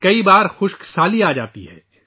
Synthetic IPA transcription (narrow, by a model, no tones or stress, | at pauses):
kɐibaːɾxʊʃksaːliaːd͡ʒa̰ːt̪iɦɛː